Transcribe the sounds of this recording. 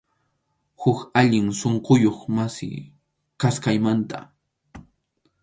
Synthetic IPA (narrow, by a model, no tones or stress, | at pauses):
hʊkaʎɪŋsoɴqojoχmasɪ̰ | kaskajmant̪a̰